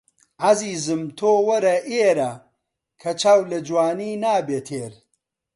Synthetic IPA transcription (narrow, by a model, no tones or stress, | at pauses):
ʕaziːzɨmt̪ʰoːwɐɾɐʔeːɾɐ | kʰɐt͡ʃʰaːwlɐd͡ʒwaːniːnaːbeːt̪ʰeːɾ